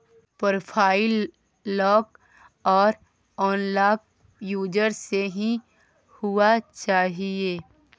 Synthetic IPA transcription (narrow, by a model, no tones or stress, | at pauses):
pɾopʰaːɪlː | ɔːk | ɔːɾ | ɔːnlaːk̚ | juːd͡ʒəɾseɦĩ | hʊat͡ʃaːɦieː